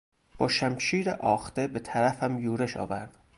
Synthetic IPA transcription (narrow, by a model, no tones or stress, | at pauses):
b̥ɒːʃæmʃiːɾeʔɒːxt̪e̞be̞t̪ʰæɾæfæmjuːɾeʃɒ̰ːvæɾd̪̥